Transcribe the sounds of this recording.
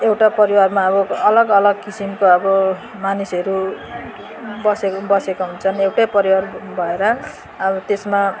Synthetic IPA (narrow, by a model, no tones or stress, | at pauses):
ewʈapʌɾiwarmaʌbʌʌlʌɡʌlʌɡkisimkoʌbʌ | manisʌɾu | bʌsebʌsekoɦunt͡sʰʌnewʈapʌɾiwarbʱʌeɾʌ | ʌbʌt̪esma